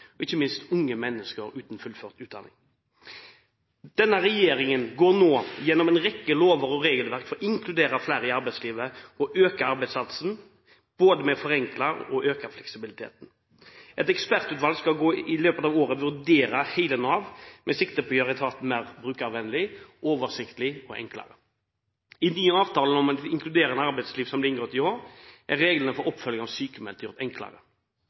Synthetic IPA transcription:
ɔɪçːəmɪnst̪ʊŋːəmɛnːəskəɾʉːt̪n̩fʉlføːʁt̪ʉːt̪d̪ɑ̰nɪ̰ŋ | d̪̥ɛnːəʁɛjeːɾɪŋənɡoːɾnoːjɛnːɔmɛɪnʁɛkːəloːʋəɾɔʁeːɡəlʋæʁkfɔɾɔɪŋkʰlʉd̪eːɾəflæːɾɪɑɾbæɪd̪sliːʋəɔʔøːkəɑɾbæɪd̪spɑt̪sn̩ | b̥oːd̪əmɛfɔʁɛŋklɑɔʔøːkəflɛksɪbɪlɪt̪ʰḛːt̪n | ʔɛt̪ɛkspæʁt̪ʉːt̪ʋɑlɡskɑlɡoːɪløːpət̪ɑːʋoːɾəʋʉʁd̪eːɾəhæɪlənɑːʋmɛsɪkt̪əpɔjøʁɪt̪ʰɑːt̪n̩mæːʁbɾʉːkɑʋɛnːəlɪʔoːʋəʁsɪkt̪əlɪɔʔɛ̰ŋklə̰ɾə | ɪnyːəɑːʋt̪ʰɑːlənɔmɑɪŋkʰlʉd̪eːɾəɛnɑʁbɛɪd̪sliːʋsɔmblɪɪŋɡɾɔt̪ːɪoːɾʔæʁeːɡlənəfɔɾɔpːfœlːɪŋɑʋsyːkəmɛlt̪ʰjɔʁt̪ɛŋklə̰ʁə

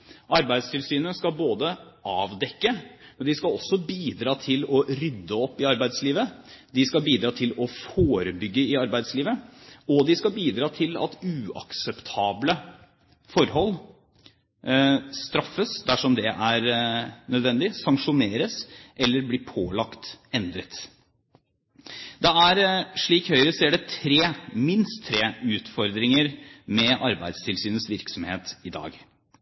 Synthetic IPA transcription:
ʔɑɾbæɪd̪st̪ʰɪlsyːnəskɑlboːd̪əʔɑːʋd̪ɛkːəmd̪ɪskɑɔsːɔbiːd̪ɾɑːt̪ʰɪlɔɾʏd̪ːəɔpːɪɑɾbæɪd̪sliːʋəd̪ɪskɑlbiːd̪ɾɑːt̪ʰɪlɔfoːɾəbʏɡːəɪɑɾbæɪd̪sliːʋəɔd̪ɪskɑlbiːd̪ɾɑːt̪ʰɪlɑ̰t̪ʉːɑ̰ksəpt̪ʰɑːblə | fɔɾhɔl | st̪ɾɑfːəsd̪æʂɔmd̪ɛʔæɾnœd̪ʋɛnd̪ɪsɑŋʂʊneːɾəsʔɛlːəɾbliːpʰoːlɑkt̪ɛnd̪ɾət̪ | d̪ɛæɾʂɭiːkhœʏɾəseːɖɛt̪ʰɾeːmɪnst̪ʰːɾeːʉːt̪fɔɾd̪ɾɪŋəɾmɛʔɑɾbæɪd̪st̪ʰɪlsyːnəsʋɪɾksɔmhḛːt̪ɪd̪ɑ̰ːɡ

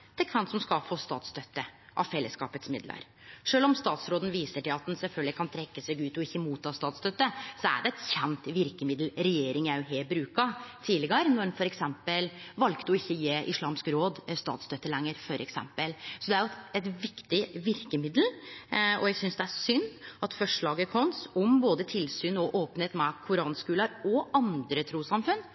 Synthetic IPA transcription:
t̪ʰɛkʰʋɛnt̪sɔmskɑfoːst̪ɑ̰ːt̪st̪œt̪ːəʔɑ̰ʋfɛlːəskɑ̰ːpət̪smɪd̪lə̰ɾ | ʂøːlɔmst̪ɑːt̪sɾoːd̪n̩ʋiːsəʈɪlɑt̪̚d̪nsɛlfœlɡ̪lɪkʰɑnt̪ʰɾɛkːəsɛɡʉːt̪ɔɪçːəmuːt̪ʰːɑːst̪ɑːt̪st̪œt̪ːəsɔæ̰ɖɛɛt̪çɛnt̪ʋɪɾkəmɪd̪l̩ɾɛjeːɾɪŋjæʊɦeːlbɾʉːkɑt̪ʰiːlɪɡɑɾnɔnfɔɾɛksɛmpəlʋɑlkt̪əɔɪçːəjeːʔɪslɑːmskɾoːd̪st̪ɑ̰ːt̪st̪œt̪ːəlɛŋːəɾfɔɾʔɛ̰ksɛ̰mpəlsɔd̪ɛæɾjʊt̪ɛt̪ʋɪkt̪ɪʋɪɾkəmɪd̪lɔ̰jæɡsʏnsd̪ɛæʂʏnːʔɑt̪fœʂɭɑːɡəkʰɔnsɔmboːd̪ət̪ʰɪlsyːnɔʔoːpən̩heːt̪mɛkʰʊɾɑːnskʉːlɑɾɔʔɑnd̪ɾət̪ʰɾuːsɑmfʉn

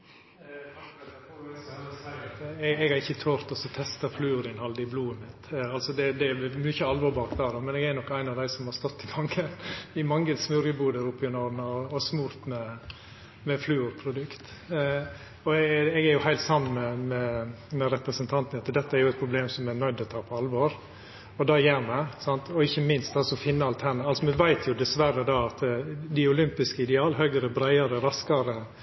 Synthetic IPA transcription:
st̪ɛɛɡæɾɪçːət̪ʰoːɾt̪ɔsɔt̪ʰɛst̪əflʉːɾɪnhɑld̪ɪbluːəmɪt̪ɑlsɔd̪ɛd̪ɛmyçəɑlʋɔːɾbɑːɾkd̪ɑːd̪ɔmɛnɛɡæɾnɔkːæɪnɑʋd̪æɪsɔmhɑɾst̪ɔt̪ʰːɪfɑŋːənɪmɑŋːəsmʉɾjəbuːd̪əɾʊpːɪʊnɔd̪n̩ɑɔsmuɾt̪mɛ | mɛflʉːʉɾpʰɾʊd̪ʉkt̪ | ɔɛɛɡæɾjʊhæɪlt̪sɑmːənmɛmɛ | mɛɾɛpɾəsənt̪ʰɑnt̪ənɑt̪d̪ɛt̪ːəæɾjʊɛt̪̚pʰɾʊbleːmsɔmɛnœʏd̪ɔt̪ʰɑːpʰɔɑlʋɔɾ | ɔd̪ɑːjæːɾmɛsɑnt̪ʰɔɪçːəmɪnst̪ɑlsɔfɪnːəɑlt̪ʰæɳɑlsɔmɛnʋæɪt̪ʰjʊd̪ɛsʋærəd̪ɑːɑt̪d̪ɪʊlʏmpɪskəɪd̪ɛɑːlɦœʏɡɾəbɾæɪɑɾəɾɑskɑɾə

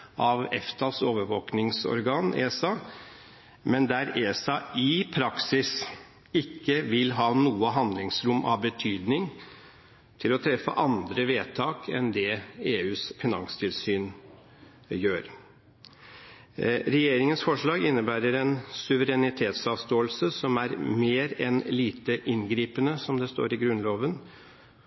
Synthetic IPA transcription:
ʔɑʋɛ̰ft̪ʰɑsoːʋəɾʋoːknɪŋsɔ̰ɾɡɑːnḛːsɑ | mɛnd̪æɾeːsɑɪpʰɾɑksɪs | ɪkːəʋɪlɦɑːnuːəɦɑnd̪lɪŋsɾʊmʔɑ̰ʋbət̪ʰyːd̪nɪŋ | t̪ʰɪlɔt̪ʰɾɛfːə̰ʔɑnd̪ɾəʋeːt̪ʰɑːkʰɛ̰nd̪ɛeːʉːsfɪnɑ̰ŋst̪ʰɪlsyːn | jøːɾ | ɾɛjeːɾɪŋənsfɔʂɭɑːɡɪnːəbæːɾəɾɛnsʉʋəɾɛnɪt̪ʰeːt̪sɑːʋst̪oːəlsəsɔmæɾmeːɾɛnliːt̪əʔɪnɡɾiːpənəsɔmd̪ɛst̪o̰ːɾɪɡɾʉnloːʋən

